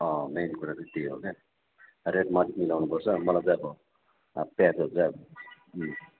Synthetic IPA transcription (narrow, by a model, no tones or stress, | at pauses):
ʌmenikuɾat͡sʌt̪eɦo̰ke | reʈmʌtikmilawnupʌrt͡sʰʌmʌlajd͡zʌʌbʌ | pjat̪ʰɦot͡sa